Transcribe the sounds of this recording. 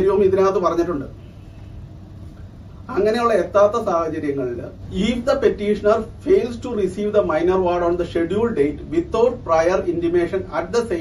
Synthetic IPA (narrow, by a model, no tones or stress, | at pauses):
ɾjuʋɐmiðinaːt̪ːɨpɐrɐɲːiʈːuɳɖɨ | ɐŋːɐne̞juɭːɐet̪ːaːt̪ːɐsaːhɐt͡ɕɐɾjɐŋːɐɭilːɐ̰iːfd̪ɐpe̞tːiːʂɐnɐrfejlsʈurisiːʋd̪ɐmɐjnɐrʋaːɖoːnd̪ɐʂeɖjuːɭɖejtʋit̪ːoːrprɐjɐrindime̞ːʂɐnɐʈ̚d̪ɐse